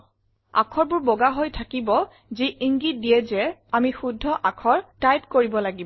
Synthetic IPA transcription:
a̰kʰɔɹbʊɹbɔɡaɦojtʰakibɔ | ziʔiŋɡit̚dijɛzɛamixudʱːɔʔakʰɔɹtajpkoɹibɔlaɡib

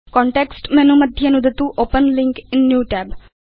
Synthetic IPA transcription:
kɔ̃ːɳʈɛːksʈmɛ̃ːnũːməd̪ʱjənũd̪ɪt̪ũːʔoːpənlɪ̃ŋkɪnːjuːʈɛːb

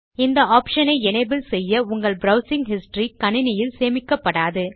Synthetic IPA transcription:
ɪnd̪ɐaːpʂɐnɐɪɛnɐɪbɪlsɛjːɐʊŋɡɐɭbɾɐʊsɪŋɡhɪsʈrikɐnɪnɪjɪlseːmɪkːɐpːɐɽaːðɯ

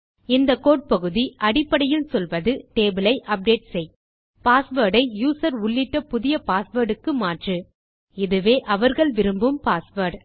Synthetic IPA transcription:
ɪnd̪ɐkːoːʈ̚pɐɣɯðiʔɐɽɪpːɐɽɐjɪlsɔlʋɐðɯʈeːbɯlɐɪʔɐp̚ɖeːʈsɛj | paːsʋɐːɾɽɐɪjuːsɐɾʊɭːɪʈːɐpʊðɪjɐpaːsʋɐɾɽɯkːɯmaːʈrɯ | ɪðɯʋeːʔɐʋɐɾɣɐɭʋɪɾɯmbɯmpaːsʋɐɾɖ

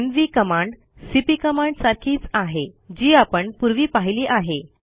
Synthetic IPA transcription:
nʋiːkəmãɳɖ | sipiːkəmãɳɖsaɾkʰiːt͡saɦed͡ʑiːapəɳpuɾʋiːpaɦiliːʔaɦe

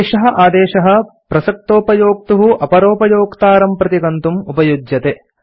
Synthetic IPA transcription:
ʃɐɦɐ̆ʔaːd̪eːʃɐɦɐ̆ | pɾɐsɐk̚t̪oːpɐjoːk̚t̪uɦuʔɐpɐɾoːpɐjoːkt̪aːɾɐmpɾɐt̪ikɐnt̪umupɐjud͡ʒjɐt̪e

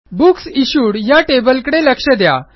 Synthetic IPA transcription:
buksiɕuɽjaʈebəlkɽeləkʂəd̪ja̰

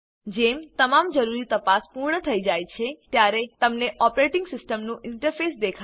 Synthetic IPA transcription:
d͡ʒemt̪əmamd͡ʒəɾuɾit̪əpaspuɾɳət̪ʰəid͡ʒajt͡ʃʰet̪jaɾet̪əmneʔɔpɾeʈɪŋɡsɪsʈəmnũʔɪɳʈəɾfesd̪ekʰa

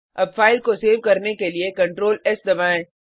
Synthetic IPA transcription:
ɐbfaːɪlkoseːʋkɐɾnekeliekɐ̃ɳʈɾoːlɛsd̪ɐbaːẽː

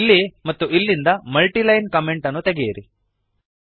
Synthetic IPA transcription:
lːimɐt̪ːuilːind̪ɐmɐlʈilɐjnkɐmeɳʈɐnːut̪e̞ɡejɐɾi

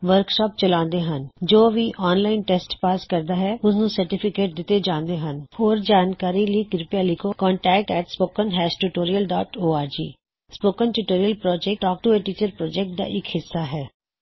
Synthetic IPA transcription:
ʋəɾkʃɔːp̚t͡ʃəlãːnd̪eːɦənd͡ʒoːʋiːʔɔːnlaːɪnʈɛːsʈpaːskəɾd̪aːɦɛːʊsnũːsəɾʈɪpʰɪkeːʈ̚d̪ɪt̪ːeːd͡ʒãːnd̪eːɦənhoːɾd͡ʒaːnkaːɾiːləiːkɾɪpjaːlikoːkɔːɳʈɛːk̚ʈɛːʈspoːkənɦɛːsʈuʈoːɾiəlɖɔːʈoːaːɾd͡ʒḭː | spoːkənʈuːʈoːɾijəlpɾɔːd͡ʒɛk̚ʈɔːk̚ʈʊɛːʈiːt͡ʃəɾpɾɔːd͡ʒɛk̚ʈ̚d̪a̰ːʔɪkhɪsːaːɦɛː

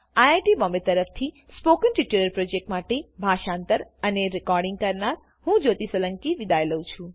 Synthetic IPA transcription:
ajajʈibɔmbet̪ːəɾəft̪ʰi | spokənʈiʈuləɾpɾod͡ʒek̚ʈmaʈebʱaʃãnt̪əɾəneɾɪkɔɾɖĩŋɡ̚kəɾnaɾ | hũd͡ʒot̪isʋələŋkiʋid̪ajləũt͡ʃʰũ

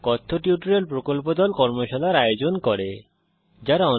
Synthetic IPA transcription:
kɔt̪ʰːoʈiʈuɾelpɾokolp̬od̪ɔlkɔɾmoʃɔlaɾajod͡ʑonkɔɾe | d͡ʑaɾaɔ

